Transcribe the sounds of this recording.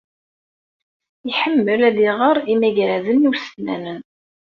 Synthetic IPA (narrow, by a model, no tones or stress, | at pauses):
iħəmːəlæðiʁəɾˤimæʝɾæzəniwsnæ̰nən